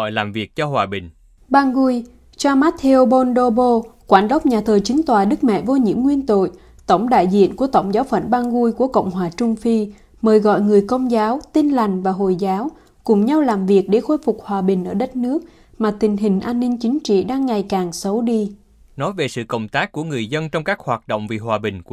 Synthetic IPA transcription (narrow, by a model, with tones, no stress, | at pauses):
jlaː˨˩mvi˨˩ək̚t͡ɕɔ˧hwaː˨˩ɓï˨˩ŋ̟ | ɓaː˧ŋɣu˧j | t͡ɕa˧maː˦˥tt̪ʰe˧o˧ɓo˧nɗo˧ɓo˧kwaː˧˩nɗə˦˥k͡p̚ɲaː˨˩t̪ʰəː˨˩jt͡ɕï˨˦ŋ̟t̪waː˨˩ɗɨ˦˥k̚mɛ̰˧˨vo˧ɲḭ˧˥əmŋwi˧ənt̪o̰˧˨j | t̪ə˧˩wŋ͡mɗa̰ː˧˨jzḭ˧˨ənku˧˩ət̪ə˧˩wŋ͡mzaː˨˦wfə̰˧˨nɓaː˧ŋɣu˧jku˧˩əkə̰˧˨wŋ͡mhɦwaː˨˩t͡ɕʊ˧ŋ͡mfi˧ | məː˨˩jɣɔ̰˧˨jŋɨ˨˩əjkə˧wŋ͡mzaː˨˦wt̪i˧nla˨˩jŋ̟vaː˨˩ɦo̰˨jzaː˨˦w | kʊ˨˩ŋ͡mɲa˧wlaː˨˩mvi˨˩ək̚ɗe˧˩xo˧jfʊ˨˩k͡p̚hwaː˨˩ɓï˨˩ŋ̟ʔəː˧˩ɗə˦˥t̚nɨ˦˥ək̚ | maː˨˩t̪ï˨˩ŋ̟ɦï˨˩ŋ̟ʔaː˧nːï˧ŋ̟t͡ɕï˨˦ŋ̟t͡ɕḭ˧˨ɗaː˧ŋːa˨˩jkaː˨˩ŋsə˨˦wɗi˧ | nɔ˨˦jve˨˩sɨ̰˧˨kə̰˧˨wŋ͡mt̪aː˦˥kkːu˧˩əŋɨ˨˩əjzə˧nt͡ɕɔ˧wŋ͡mkaː˦˥k̚hwaː˨˩t̚ɗo̰˧˨wŋ͡mvi˨˩ɦwaː˨˩ɓï˨˩ŋ̟˧